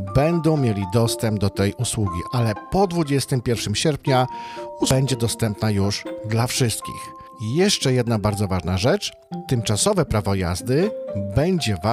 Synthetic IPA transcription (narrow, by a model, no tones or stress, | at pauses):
bɛnd̪ɔ̃w̃mʲjelʲid̪ɔst̪ɛmb̚d̪ɔt̪ɛjuswuɡʲḭʔalɛpɔd̪vud͡ʑɛst̪ɘmpʲjɛɾfʂɘmɕɛɾpɲabɛɲd͡ʑɛd̪ɔst̪ɛmpnajuʐd̪lafʂɘst̪̚kʲḭx | jɛʂt͡ʂɛjɛd̪nabaɾd̪zɔvaʐnaʐɛt͡ʂ | t̪ɘmt͡ʂasɔvɛpɾavɔja̰zd̪ɘbɛɲd͡ʑɛva